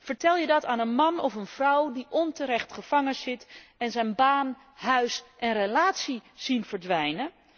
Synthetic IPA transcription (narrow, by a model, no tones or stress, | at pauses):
v̥əɹtɛlˠjədɑtaːnənmɑnɔfənv̥rʌwdiʔɔntəɾɛχtχəv̥ɑŋəz̥ɪtɛnzɛjnbaːn | ɦœɥsʔɛnrəlaːtsiz̥invəɹdʋɛjnən